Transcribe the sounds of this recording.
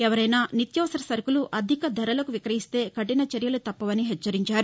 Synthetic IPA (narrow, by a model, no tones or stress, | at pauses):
ɛʋɐɾɐjnaːnit̪jɐːsɐɾɐsɐɾkuluʔɐd̪ʱikɐd̪ʱɐɾɐlɐkuʋikɾɐɦist̪e̞ːkɐʈinɐt͡ʃɐɾjɐlut̪ɐpːɐʋɐniɦɛt͡ʃːɐɾiɲt͡ʃaːɾu